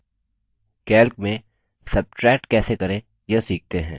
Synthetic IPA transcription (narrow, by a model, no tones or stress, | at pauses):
kɛːlk̚mẽ | sɐb̚ʈɾɛːk̚ʈkɛːsekɐɾẽ | jɐsiːk̚t̪eɦɛ̃ː